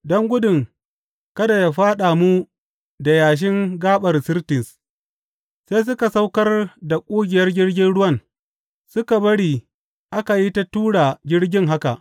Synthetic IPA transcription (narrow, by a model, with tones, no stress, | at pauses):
dɔ˦ŋɡʷʊ˦dʊ˨ŋ | kɐ˦da˨ja˨ɸaː˦ɗaː˨mu˦ | da˨jaː˨ʃ̬ɪ˦ŋɡaː˦ɓɐ˨rsɪ˦rtɪ˨s | seː˦s̬ʊ˦ka˨sa˦wkɐ˦rda˨kʷʼuː˦ɡʲɪ˨jɐ˦rɡʲɪ˦rɡʲɪ˦nɽʊ˦wɐ˦n | sʊ˦ka˨bɐ˦ɽiː˨ | ʔa˦ka˨ji˦ta˦tuː˦ɽa˨ɡʲɪ˦ɽɡʲɪ˦ŋɦa˦ka˨ʔ